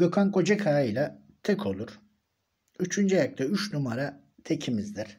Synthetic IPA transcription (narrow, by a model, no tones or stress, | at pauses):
ɡøkʰaŋko̞d͡ʒakʰaːɯjlʲˠa | t̪ʰɛkʰo̞lˠuɾ | yt͡ʃʰynd͡ʒajak̚t̪ʰayt͡ʃnumaɾa | t̪ʰecʰimizd̪iɾ̥